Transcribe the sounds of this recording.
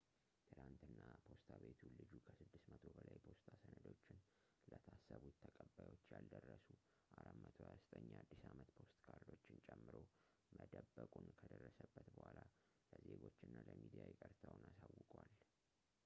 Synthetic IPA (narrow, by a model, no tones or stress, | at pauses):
t̪ʰɨnant̪ɨnːapʰo̞st̪ʰaβe̞t̪ʰulɨd͡ʒukʰəsɨd̪ːɨsmət̪ʰo̞bəlajpʰo̞st̪ʰasənəd̪o̞t͡ʃːɪn | lət̪ʰasːəβut̪ʰːəkʼəbajwo̞t͡ʃːjald̪ərːəsu | ʔaɾamət̪ʰojast̪ʼəɲːad̪ːisamət̪pʰo̞st̪ʼkʰaɾd̪o̞t͡ʃːɪnt͡ʃʼɛmːɨɾo̞ | mʔəd̪əbːəkʼunkʰəd̪ərːəsəbːət̪bəhala | ləzeɡo̞t͡ʃːɨnːaləmid̪ijajɛkʼəɾt̪ʰawnasawːɨkʼwal